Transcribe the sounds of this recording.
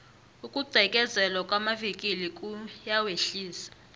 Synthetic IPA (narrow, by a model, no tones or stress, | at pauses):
ukʼuɡ͡ǀʱɛkʼɛzɛlwakʼwamavikʼilikʼujaweɬiːsḁ